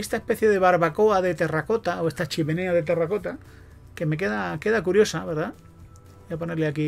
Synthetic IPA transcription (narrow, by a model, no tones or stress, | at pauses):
est̪aespe̞θjeðe̞βaɾβako̞aðe̞t̪e̞rako̞t̪ao̞est̪at͡ʃime̞ne̞aðe̞t̪̬erako̞t̪a | ke̞me̞k̬e̞ðake̞ðakuɾjo̞saβe̞ɾða | ojapo̞neɾleaki